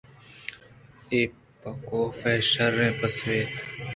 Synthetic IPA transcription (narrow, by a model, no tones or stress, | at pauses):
eː | pːəkoːfeːʃəɾːẽːpəsʋeːt̪